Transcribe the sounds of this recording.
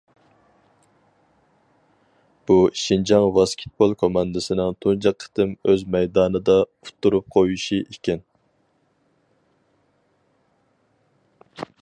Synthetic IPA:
b̥uʃind͡ʒɑŋvɑskʲʰɪ̥t̪̚bolˠkʰomɑnd̪ɨsɪnɪŋt̪ʰund͡ʒɑqʰːə̥t̪ɪmøzmɛjd̪ɑːnɨd̪ɑut̪ʰːuɾup̚qʰojuʃiʔikʲɛn

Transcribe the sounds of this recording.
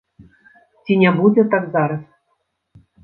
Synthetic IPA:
tʲinʲebudʲɘ̆t̪ɑkzɑɾɤ̆

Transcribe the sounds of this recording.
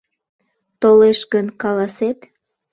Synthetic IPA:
t̪oleʃɡənkɑlɑset̪

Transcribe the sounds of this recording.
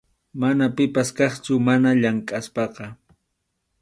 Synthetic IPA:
manapɪpaskɑχt͡ʃʊmanaʎaŋkʼaspɑqɑ

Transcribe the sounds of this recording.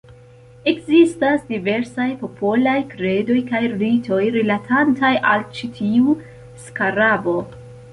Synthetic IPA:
e̞kzistasdive̞ɾsajpo̞pʰo̞lajkɾe̞do̞jkajɾitʰo̞jɾilatʰantajʔalt͡ʃitʰiu | skaɾabo̞

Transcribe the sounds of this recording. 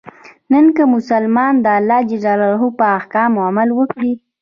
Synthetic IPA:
nənkəmʊsalmɑnd̪əalːɑd͡ʒazɑlaɾɦupəahkɑmʊamalwəkɽi

